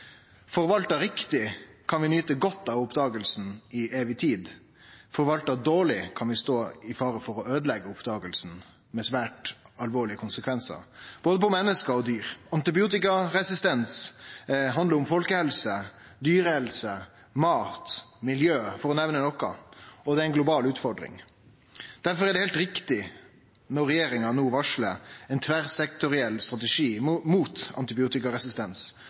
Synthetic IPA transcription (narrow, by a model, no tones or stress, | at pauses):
fɔɾʋɑlt̪əɾɪkt̪ɪkʰɑnʋɪnyːt̪əɡɔt̪ːɑʋʊpd̪ɑːɡəlsn̩ɪeːʋɪt̪ʰiːd̪ | fɔɾʋɑlt̪əd̪oːɭɪkʰɑnʋɪst̪oːɪfɑːɾəfɔɾɔøːd̪əlɛɡːəʊpd̪ɑːɡəlsn̩ | mɛsʋæːʈɑlʋoːɭɪəkʰʊnsəkʰʋɛnsə̰ɾb̥oːd̪əpɔmɛnːəskəɾɔd̪yːɾɑnt̪ɪbɪuːt̪ɪkɑɾɛsɪst̪ɛns | ɦɑnd̪ləɾʊmfɔlkəhɛlsə | d̪yːɾəhɛlsə | mɑːt̪mɪljøːfɔɾɔnɛʋnənɔkɑ̰ɔd̪ɛæɪnɡlʊbɑːlʉːt̪fɔɾɖɾɪ̰ŋ | d̪̥æɾfɔɾæɖɛhɛːlt̪ɾɪkt̪ɪ | nɔɾɛjeːɾɪŋɑnoːʋɑʂlə̰ɛɪnt̪ʰʋæɾsɛk̚t̪ʊɾɪɛlːst̪ɾɑt̪ɛʂiːmuːt̪ɑ̰nt̪ɪbɪuːt̪ɪkɑɾɛsɪst̪ɛns